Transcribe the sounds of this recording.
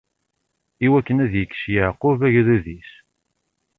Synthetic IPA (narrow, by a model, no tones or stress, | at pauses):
iwækːənæðjəkːʃjəʕqːʊvæʝɾuðis